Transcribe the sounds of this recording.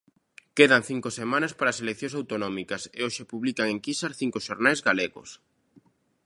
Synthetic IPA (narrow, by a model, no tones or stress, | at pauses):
keðaŋθiŋkosemãnɐspaɾaːselekθjõŋsawt̪onɔmikɐseoʃepuβlikaŋeŋkisaɾθiŋkoʃoɾnajzɣaleɣo̰s